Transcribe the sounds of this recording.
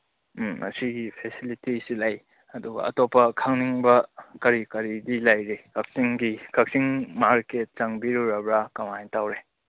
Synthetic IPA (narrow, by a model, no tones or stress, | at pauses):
m̩ŋɐ̰siɡipʰesilitisilaj | ɐduɡɐ̰ɐ̰topːɐkʰaŋniŋbɐkɐɾikɐɾidilajɾekʰɐk̚siŋɡikʰɐk̚siŋmaɾket̚t͡ʃaŋbiɾuɾɐbɾakɐmantawɾe